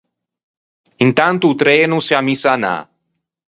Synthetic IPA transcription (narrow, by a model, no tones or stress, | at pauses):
int̪ant̪ut̪ɾenuseamisana̰